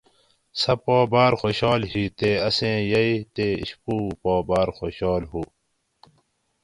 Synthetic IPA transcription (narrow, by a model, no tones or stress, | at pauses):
sɐpoːbaːɾxoːɕaːlɦit̪eɐsẽːjɐit̪eːḭɕpuːpoːbaːɾxoːɕaːlɦuː